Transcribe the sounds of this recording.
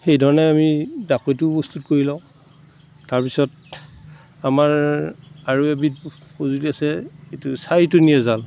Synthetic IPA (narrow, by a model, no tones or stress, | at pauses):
xejdʱɔɹɔnɛamidakojtʊpɔstutkoɹilãʊ̃ | taɹpisɔt | amaɹ | aɹuebit̚pozuliasɛetʊsajtʊnijɛzal